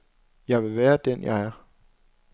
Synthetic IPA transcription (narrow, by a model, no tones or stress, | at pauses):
jɑ̈ɪʋe̝ʋæːɐd̥enjɑ̈ɪæɐ